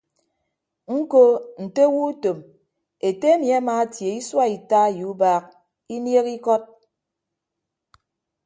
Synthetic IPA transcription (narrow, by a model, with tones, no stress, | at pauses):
ŋ̩˦ko˦n̩˨te˦wu˦to˨m | e˨te˦mja˦maː˨˦tje˨i˦swa˦i˨ta˦˨ju˨˦baː˦k̚ | i˦nje˦ki˦kɔ˦t̚